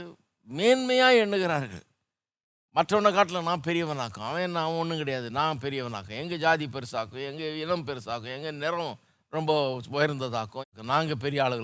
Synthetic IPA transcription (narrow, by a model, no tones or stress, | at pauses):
meːnmɐjaːɛɳːɯɣɪɾaːɾɣɐ̰ɭ | mɐʈrɐɐɳːɐkaːʈːɪlɐnãːpɛɾɪjɐʋɐnaːkːʊ̰̃ɐʋẽːnːaɐʋɐ̃ɔnːɯkɪɽɐjaːðɯnãːpɛɾɪjɐʋɐna̰ːkːʊ̃ɛŋɡɐd͡ʒaːðip̬ɛɾɯsaːkːʊ̃ɛŋɡɐɪnɐmpɛɾɯsaːkʊ̃ɛŋɡɐnɛɾɐ̃ | ɾɔmbɐpɔjɐɾnd̪ɐðaːkːʊ̃kːʊ̃nãːŋɡɐp̬ɛɾɪjɐaːɭɯɣɐ